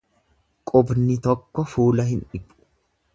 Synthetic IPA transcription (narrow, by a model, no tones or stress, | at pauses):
kʼʊbnɪt̪ɔkːɔfuːlɐhɪnᶑɪpʼːʊ̥